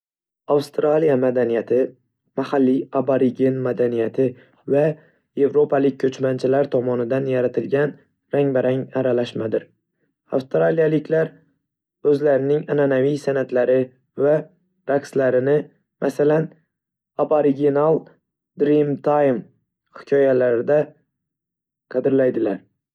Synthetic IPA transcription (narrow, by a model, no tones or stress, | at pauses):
awst̪ɾalijamad̪anijat̪ʰɪ | mahalːiaboɾiɡʲe̞nmad̪anijat̪ʰɪ | va | je̞vɾo̞pʰalɪk̚ʲkʰːɵt͡ʃmant͡ʃʰɪlaɾt̪ʰɒmɒnɪd̪anjaɾat̪ʰɪlɡʲan | ɾaŋbaɾaŋaɾalaʃmad̪ɪɾ | a̰fst̪ɾalijalɪkʰʲlaɾ | ɵzlaɾɪnɪŋananavijsanat̪laɾɪ | va | ɾakslaɾɪnɪ | mʔasalan | abaɾɪɡʲenalˠ | d̪ɾimt̪ʰajm | hɪ̥kʲʰɒjalaɾɪd̪a | qʰɑd̪ɪɾlajd̪ɪlaɾ